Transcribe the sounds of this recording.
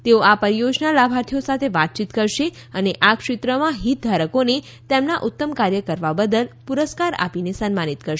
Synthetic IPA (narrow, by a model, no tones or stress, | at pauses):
t̪eoapəɾijod͡ʒnalabʱaɾt̪ʰijosat̪ʰeʋat̪̚t͡ʃit̪kəɾʃe | əneʔakʃɪt̪ɾəmãɦit̪̚d̪ʱaɾəkone | t̪emnaʔut̪ːəmkaɾjəkəɾʋabəd̪əlpuɾəskaɾa̰pinesənmanit̪kəɾʃ